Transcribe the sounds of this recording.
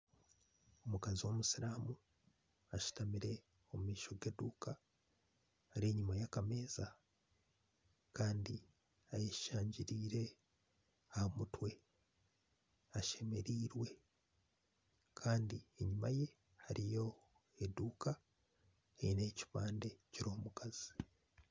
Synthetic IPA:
o̞mukaziwo̞musiɾaːmu | aʃu̥tamiɾe̞ | omumiːʃo̞ɡe̞duːka | haɾeɲumajakame̞ːza | kaːndi | ajeʃaːɲɟiɾiːɾe̞ | ahomutwe̞ | aʃe̞me̞ɾiːɾwe̞ | kʰaːndieɲumaje̞ | haɾijo̞ | eduːka | eineːcipaːnde̞ciɾo̞ːmukaz̥i̥

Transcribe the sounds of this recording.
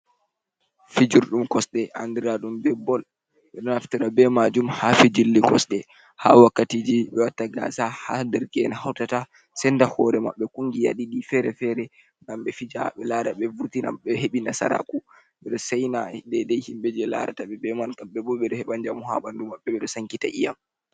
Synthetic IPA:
fid͡ʒuɾɗumkɔsɗɛʔandiɾaɗumbɛbɔl | ɓɛɗɔnaftiɾabɛmad͡ʒumhafid͡ʒilːikɔsɗɛ | hawakːatiːd͡ʒiɓɛwatːaɡa̰sahadɛɾkɛnahawtata | sɛndahɔɾɛma̰ɓːɛkuŋɡija̰ɗiɗifɛɾɛfɛɾɛ | ŋɡamɓɛfid͡ʒa̰ɓɛlaɾaɓɛvuɾtina̰ɓɛheɓinasa̰ɾa̰ku | ɓɛɗɔsɛjnadɛdɛjhimɓɛd͡ʒɛla̰ɾa̰taɓɛbɛmankaɓɛbɔɓɛɗɔhɛɓand͡ʒamuha̰ɓandumaɓːɛɓɛɗɔsaŋkitaʔija̰m

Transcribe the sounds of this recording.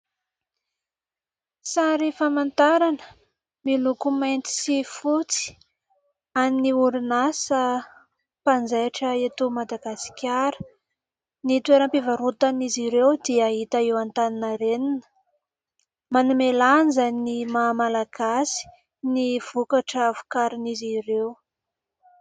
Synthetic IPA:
saɾifamant̪aɾanə | milukumajnt̪i̥sifut͡si̥ | aniniuɾinasə | pand͡zajaʈ͡ʂəet̪umad̪aɡasi̥kʲaɾə̥ | nit̪weɾəmpivaɾut̪aniziɾewd̪iaɦit̪aewant̪aninaɾeninə̥ | manumelanzannimamalaɡ̥asi̥ | niv̥ukaʈ͡ʂavu̥kaɾinizirew

